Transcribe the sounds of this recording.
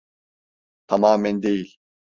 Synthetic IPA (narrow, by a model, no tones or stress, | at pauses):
t̪ʰamaːmɛnd̪ejilʲ